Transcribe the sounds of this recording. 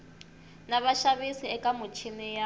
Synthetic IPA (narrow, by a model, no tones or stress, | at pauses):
naβaʃaβisiɛkʼamʊt͡ʃʰinija